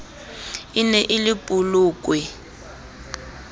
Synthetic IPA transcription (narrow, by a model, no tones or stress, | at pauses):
inɛʔɪlɪpʼuluːk̬ʼwɛ